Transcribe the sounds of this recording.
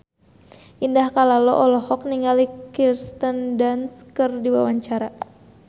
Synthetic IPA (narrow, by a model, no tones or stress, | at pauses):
ʔindahkalalɔʔɔlɔhɔk̚niŋalikirst̪əndanskɨrdiwa̰waɲt͡ʃaɾa